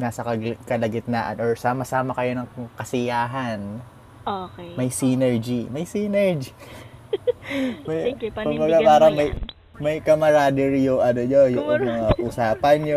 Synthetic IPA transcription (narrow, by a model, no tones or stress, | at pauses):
naːsɐkɐkɐlɐɡɪt̪̚naʔɐ̰nʔoɹsaːmɐsaːmɐkɐjo̞nɐŋkɐsɪjaːɦɐn | omɐjsiːnɛɹd͡ʒimɐjsiːnɛɹd͡ʒi | mɐjkʊbɐɡapaːɾɐŋmɐj | mɐjkɐmɐɾaːd̪ɪɾɪjʊŋʔɐnoɲojʊŋʔɐnɐŋɐʔʊsaːpɐnjʊ